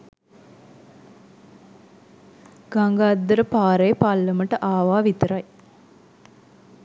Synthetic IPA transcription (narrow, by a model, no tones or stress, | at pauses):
ɡ̥aŋɡad̪ːəɾəpaːɾejəpalːəməʈəʔaːʋaːʋit̪əɾaj